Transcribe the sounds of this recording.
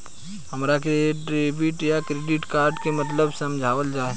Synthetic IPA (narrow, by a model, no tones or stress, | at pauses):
ɦɐmɾakeʈɾeːbɪʈjakɾeːɖɪʈkaːɾɖkemət̪ləbsɐmd͡ʒʱaːʋəld͡ʒaːe